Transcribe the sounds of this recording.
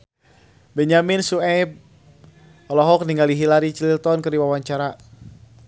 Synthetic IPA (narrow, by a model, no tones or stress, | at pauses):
bɛɲaminsuɛp̚ | ɔlɔɦɔk̚niŋɡaliɦilaɾit͡ʃlilt̪ɔnkɨrdiwawaɲt͡ʃaɾa